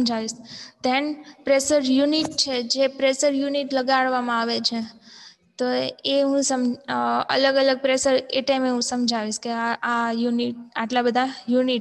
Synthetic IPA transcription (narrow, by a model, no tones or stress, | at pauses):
md͡ʒʱaʋiʃd̪enpɾeʃəɾjuniʈ̚t͡ʃʰed͡ʒepɾeʃəɾjuniʈləɡaɭʋamãaʋet͡ʃʰe | t̪oeɦũsəmə̰ləɡələɡ̚pɾeʃəɾeʈajmeɦũsəmd͡ʒʱaʋiʃkeaajuniʈ̚aʈlabəd̪ʱajuniʈ